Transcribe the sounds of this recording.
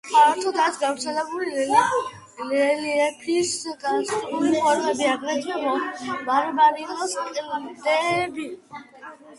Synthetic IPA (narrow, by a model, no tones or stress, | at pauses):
aɾt̪ʰɔd̪at̪sʰɡavɾt̪sʰɛlɛbulilɛl | lɛliɛpʰiskʼasuliχwɛɾχʼɛbiaɡɾɛd͡ʒ̪ɛlɔnmaɾɛbaɾiːqʼɔsaqʼilamd̪ɛbi